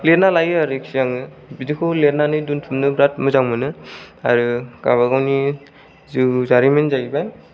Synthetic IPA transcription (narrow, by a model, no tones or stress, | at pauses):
let̚nalajɯaɾɯkʰsijaŋɯ | bidikʰɯlet̚nanɯjduntʰumnɯɡɾat̚mɯzawmɯnɯa̰ɾɯɡ̥a̰βaɡawni | zɯzaɾimenzajbaj